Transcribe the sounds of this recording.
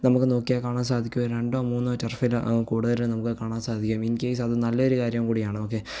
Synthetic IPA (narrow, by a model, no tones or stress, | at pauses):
nɐmukːɨno̞ːkːijekaːɳaːmsaːd̪ʱikʲːumoɾɾe̞ɳɖoːmuːnːɨt͡ɕːɐrfilkuːɽuðɐɾilnɐmukːɨkaːɳaːmsaːd̪ʱikʲːuminkeːs̬ɐðɨnɐlːɐoɾukaːɾjɐmkuːɽijaːɳɨo̞ːk̬ːe̞ː